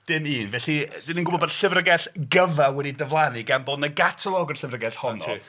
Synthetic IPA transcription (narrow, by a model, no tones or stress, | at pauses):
d̥ɪniːnvɛɬid̥ɪninɡʊbɔbɔdɬɪvrəɡɛɬɡəvawɛdidəvlˠaniɡambɔdnəɡatʰəlˠɔɡərɬɪvrəɡɛɬhɔntʰɔɨ̰